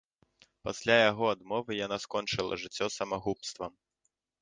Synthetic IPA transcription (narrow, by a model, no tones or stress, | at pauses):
pasʲlʲajaɣɔad̪mɔvɨjanaskɔnt͡ʂɨlˠɐ̰ʐɨt͡sʲːɔsɐmaɣupst̪vɐ